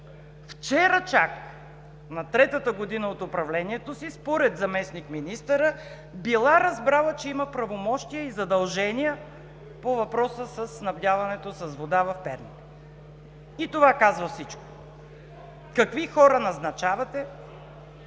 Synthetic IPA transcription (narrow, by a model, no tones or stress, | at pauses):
ft͡ʃɛɾət͡ʃak | nɐt̪ɾɛt̪ət̪əɡod̪inəot̪ʊpɾɐvlɛniɛt̪osispoɾɛd̪zɐmɛsnikminist̪əɾə | bilˠaɾɐzbɾalˠət͡ʃɛimɐpɾɐvomɔʃt̪ijəizɐd̪ɐlˠʒɛniə | povɐpɾɔsəsɐsːnɐbd̪ʲavɐnɛt̪osɐzvod̪avɐfpɛɾni | it̪ovakazvɐfsit͡ʃko̥ | kɐkvixɔɾənɐznɐt͡ʃavɐt̪ɛ